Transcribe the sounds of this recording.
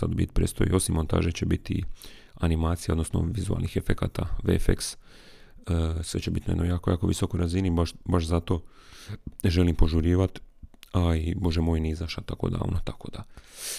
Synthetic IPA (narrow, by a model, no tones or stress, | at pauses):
sa̰d̪bḭt̪̚pɾest̪ojḭo̞simːont̪a̰ːʒet͡ɕebit̪ḭanimaːt̪sijao̞d̪no̞sno̰ʋizua̰lnixefekat̪a̰ʋḛfḛks | sʋe̞̰t͡ɕebit̪najed̪nojaːkojaːko̞ʋisokojɾazinibaʃbaʃzat̪o̞ | neʒelimpo̞ʒuɾiːʋat̪aibo̞ʒemo̞jniizaʃat̪akod̪a̰ːʋnot̪ako̞d̪a